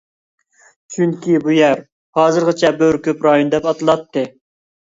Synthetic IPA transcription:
t͡ʃʰyŋkʲibujæɾ | hɑːzɨɾʁɑt͡ʃʰɛbøɾkʲøpɾɑjond̪ɛpɑt̪ʰɨlˠɑt̪ʰːɨ

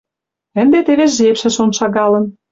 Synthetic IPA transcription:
ə̆nd̪et̪eβeʒepʃĕʃonʃɑɣɑlə̆n

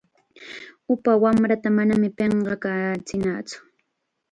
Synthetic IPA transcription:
ʊpawamɾat̪amanamɪpeɴɢɑkat͡sɪnaːt͡sʊ̥

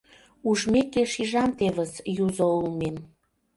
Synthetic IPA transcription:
uʒmekeʃiʒɑmt̪eβəsjuzoulmem

